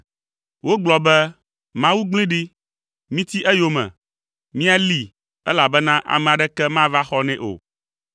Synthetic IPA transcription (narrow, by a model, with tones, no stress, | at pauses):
wo˦ɡ͡blɔ˨bɛ˦ | mã˦wu˦ɡ͡blĩ˦ɖi˦ | mĩ˦t̪i˦ʔɛ˦jo˦mɛ̰̃˨ | mĩ˦a˦li˦˨ | ɛ˦la˨bɛ˦nã˦ʔa̰˨mɛ̃˨a˨ɖɛ˦kɛ˦mã˦va˦xɔ˦nɛ̃˦ʔo̰˨